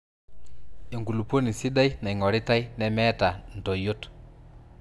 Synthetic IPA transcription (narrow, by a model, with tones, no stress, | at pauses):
e˨ŋɡu˨lu˨po˦ni˨si˦da˦i˦na˨i˨ŋɔ˨ɾi˦ta˦i˦nɛ˦mɛː˦ta˨n̩˨tɔ˨jo˦t